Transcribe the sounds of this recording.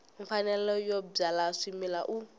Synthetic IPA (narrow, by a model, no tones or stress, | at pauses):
iɱfanɛlɔjɔb͡ʐalaʂimilaʔu